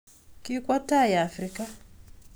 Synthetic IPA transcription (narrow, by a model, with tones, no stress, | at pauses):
ki˦kwa˦ta˦ja˨a˨fri˦ka˦